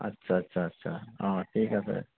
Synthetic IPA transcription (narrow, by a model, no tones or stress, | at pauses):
ɐ̰tːɕʰaɐtːɕʰaɐtːʃʰa̰aːʈʰiːkɛsə̰